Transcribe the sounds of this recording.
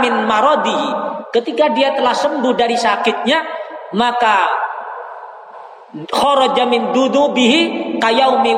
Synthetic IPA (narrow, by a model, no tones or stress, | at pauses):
mɪnmaɾɔd̪ikət̪ikadiat̪əlahsəmbʊhdaɾisakɪt̪̚ɲamaka | xɔɾɔd͡ʒamɪnd̪unubiɦikajawmɪ